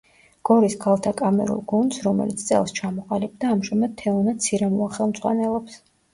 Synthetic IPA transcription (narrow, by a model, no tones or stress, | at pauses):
ɡ̥ɔɾiskʰalˠt̪ʰakʼamɛ̰ɾṵlˠɡund̪sɾɔmɛ̰lit̪st̪sʼɛ̰lˠst͡ʃʰamɔqʼalib̚d̪aːmʒamad̪̥̚t̪ʰɛɔnad̪̥̚t̪sʰiɾɛmɔaχɛlˠmd̪zʼʁwa̰nɛlˠɔps